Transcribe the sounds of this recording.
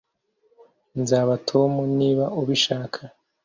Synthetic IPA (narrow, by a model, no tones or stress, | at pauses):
nzaːβatʰo̞muniːβauβiʃaːkʰa